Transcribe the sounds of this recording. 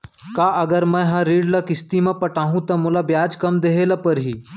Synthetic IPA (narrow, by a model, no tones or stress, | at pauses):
kaːʔɐɡəɾmɛ̃ɦɐ̃ɾiːɖlɐkɪst̪imẽpɐʈaːɦũt̪ɐmʊlabjaːd͡ʒkɐmd̪eɦelɐpɐɾɦiː